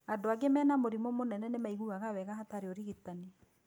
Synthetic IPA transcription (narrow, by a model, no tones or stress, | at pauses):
adoaɡemɛːnamoɾimɔmonɛnɛnemaiɣuɣaɣawɛɣaɦataɾeoɾiɣitani